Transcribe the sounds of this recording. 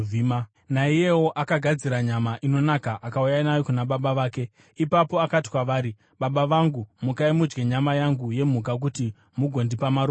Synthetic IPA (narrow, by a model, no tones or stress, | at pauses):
ima | naije̞wo̞ʔakaɡʱad͡ziɾaɲamaʔino̞nakaʔakaujainajokunaɓaɓaʋaːke̞ | ipapo̞akati̥kwaʋaːɾi | ɓaɓaʋaŋɡumukaimud͡ʒɡe̞ɲamajaŋɡuje̞m̤ukak̬uti | muɡʱo̞ndipamaɾo